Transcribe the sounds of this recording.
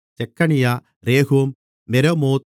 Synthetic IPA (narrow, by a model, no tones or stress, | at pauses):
t͡ɕekːɐɳija | ɾeːɦuɐmː | eɾɐmoːt̪